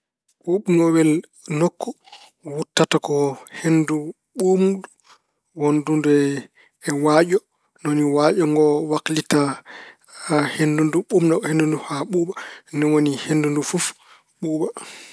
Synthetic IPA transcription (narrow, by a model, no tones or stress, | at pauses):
ɓuɓnɔwɛl | nokʰːɔ | wutːatakɔhendu | ɓumdu | wondundɛ | ɛwaɟɔ | noniwaʔɔŋɡɔwaklita | hendunduɓumnɔhendunduhaɓuɓanɔwonihendundufuf | ɓuːɓa